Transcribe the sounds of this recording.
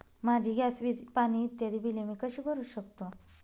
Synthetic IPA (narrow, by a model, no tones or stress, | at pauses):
mad͡ʑʱiɡʱjasʋipañiːt̪jad̪iːbilemiːkəɕiːkəɾuːɕəkt̪o